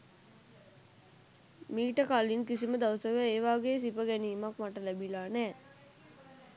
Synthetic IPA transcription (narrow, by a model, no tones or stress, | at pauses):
miːʈəkalinkisiməd̪awsəkəeːʋaːɡeːs̬ipəɡɛniːmakmaʈəlæbilaːnɛː